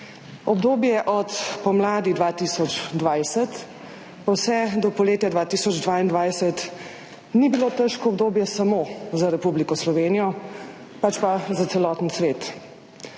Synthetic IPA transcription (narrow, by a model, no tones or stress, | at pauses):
ɔbd̪oːbjɛʔɔt̪pɔmlaːd̪id̪ʋaːt̪iːsɔd͡ʒd̪ʋajsət̪ | pawsɛd̪ɔpɔleːt̪jad̪ʋaːt̪isɔd͡ʒd̪ʋaːind̪ʋajsət̪ | nibilot̪əʃkɔːbd̪oːbjɛsamozaɾɛpublikɔslɔʋeːnijɔ | pat͡ʃpazat̪sɛlɔːt̪n̩sʋeːt̪